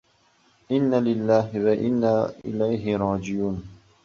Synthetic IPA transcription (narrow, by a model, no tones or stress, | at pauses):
ʔɪnːaːlɪlːaːhwaʔɪ̰nːaːʔɪ̰lajɦɪɾˤɑːd͡ʒɪjuːn